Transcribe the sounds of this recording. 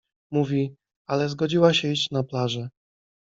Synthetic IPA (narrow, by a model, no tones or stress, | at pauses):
muvʲi | alɛzɡɔd͡ʑiwaɕɛiɕt͡ɕnaplaʐɛ